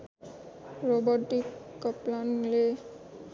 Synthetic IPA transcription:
ɹobɔʈikːɔplanle

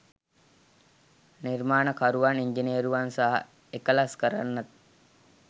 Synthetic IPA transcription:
niɾmaːnəkaɾuʋaniɲd͡ʒiniːɾuʋansaɦɐ̰ | ekəlaskɐɾa̰nːɐt̪

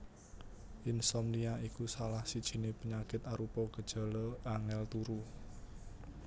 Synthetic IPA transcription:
ʔɪnsɔmliaikusalahsid̥ʒ̥i̤nepəɲakɪt̪aɾupɔɡ̥əd̥ʒ̥a̤lɔaŋɛlt̪uɾu

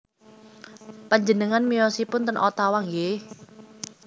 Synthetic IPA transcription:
paɲd͡ʒənəŋanmijɔsipʊnt̪ənʔɔt̪awaŋɡe

